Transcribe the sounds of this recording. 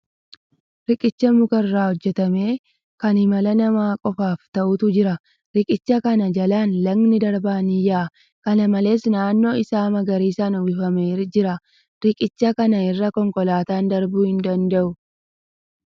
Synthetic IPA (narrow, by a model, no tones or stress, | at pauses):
ɾɪkʼɪt͡ʃːɐmʊkɐrrːaːhɔd͡ʒːɛt̪ɐme̞ː | kɐnhɪmɐlɐnɐmaːkʼɔfaːft̪ɐʔʊt̪ʊd͡ʒɪɾɐ | ɾɪkʼɪt͡ʃːɐkɐnɐd͡ʒɐlaːnlɐɡnɪd̪ɐɾbaːnɪjaːʔ | kɐnɐmɐle̞ːsnaːnːo̞ːɪsaːmɐɡɐɾiːsaːnʊbɪfɐmeːɾd͡ʒɪɾɐ | ɾɪkʼɪt͡ʃːɐkɐnɐɪrːɐkɔŋkɔlaːt̪aːnd̪ɐɾbuːhɪnd̪ɐnd̪ɐʔʊ